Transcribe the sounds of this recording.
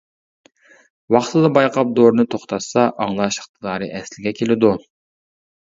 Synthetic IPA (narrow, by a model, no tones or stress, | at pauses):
wɑχt̪ʰɨd̪ɑbɑjqʰɑp̚d̪oɾnɨt̪ʰoχt̪ʰɑsɑʔɑŋlˠɑʃχt̪ʰɨlˠɑːɾɨʔɛslɪɡʲɛkʲʰelɪd̪u